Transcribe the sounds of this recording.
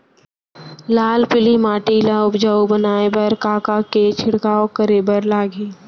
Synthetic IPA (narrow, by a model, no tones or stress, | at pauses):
laːlpɪlimaːʈiːlaʊbd͡ʒəubənaːepɐɾkaːkaket͡ʃʰɪɽkaːokəɾeːbəɾlaːɡeː